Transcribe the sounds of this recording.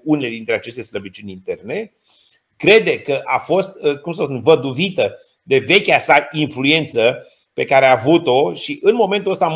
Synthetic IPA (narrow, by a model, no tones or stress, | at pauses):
uneled̪int̪ɾe̞at͡ʃe̞st̪e̞sləbit͡ʃunʲint̪e̞rne̞ | kɾe̞d̪e̞kəʔafo̞st̪kumsəspunvəd̪uvit̪ə | d̪e̞ve̞kʲasainflue̞nt̪sə | pe̞kaɾeaːvut̪o̞ʃiʔɨnmo̞me̞nt̪uəst̪am